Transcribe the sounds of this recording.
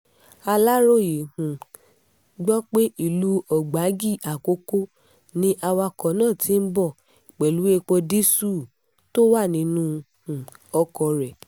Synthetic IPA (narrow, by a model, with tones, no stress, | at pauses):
a˧la˦ɾo˦˨je˨hũ˨ | ɡ͡bɔ˦k͡pe˦ʔi˦˨lu˦ɔ˨ɡ͡ba˨˦ɡi˦˨a˨ko˦ko˦ | nĩ˦ʔa˧wa˧kɔ˨nãː˦˨tʰi˨˦m̩˦bɔ˦˨ | i˨k͡pɛ˨lu˨˦e˧k͡po˧di˦su˦˨ | to˦wa˦˨nĩ˨˧˦nũ˦ | hũ˨ɔ˧˦kɔ˧ɾɛ˨